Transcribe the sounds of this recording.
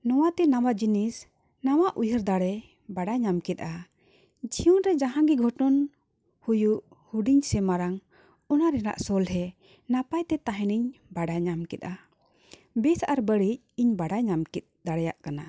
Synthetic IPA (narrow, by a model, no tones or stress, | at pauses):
nɔwat̪ɛnawad͡ʒinis | nawaʔujəɾd̪aɽɛ | baɖajɲamkɛt̪̚ˀa | d͡ʒiunɾɛd͡ʒaɦãɡiɡʱɔʈɔn | hujuʔ | huɖiɲsɛmaɾaŋ | ɔnaɾɛna̰ʔsɔlɦɛ | napajt̪ɛt̪aɦɛniɲbaɖaɲamkɛt̪̚a | bɛsaʔaɾbəɽic̚iɲbaɖajɲamkɛt̪̚d̪aɽɛja̰ʔkana